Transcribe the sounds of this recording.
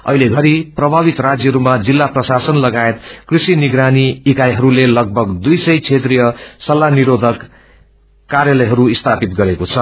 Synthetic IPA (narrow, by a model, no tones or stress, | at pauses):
ʌ̰ɦileɡʱʌɾiprʌbʱaβit̪rad͡zjʌɦɾumad͡zilːaprʌsasʌnlʌɡaet̪krisiniɡɾaniːkajɦʌɾulelʌɡ̚bʱʌɡd̪ujsʌjt͡sʰet̪rijʌsʌlːaniɾod̪ʱʌkː | arjʌlʌjɦʌɾuist̪ʰapit̪ɡʌɾekot͡sʰʌ